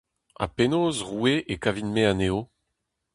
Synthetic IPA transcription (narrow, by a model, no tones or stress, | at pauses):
a̰penoːzʁueʔekavinmeaneːo